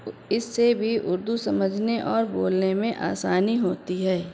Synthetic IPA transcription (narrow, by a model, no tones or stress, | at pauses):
ɪsːebʱiʔʊ̰ɾd̪usɐməd͡ʒʱneʔɔːɾboːlnemẽʔa̰ːsaːniɦoːt̪iɦɛː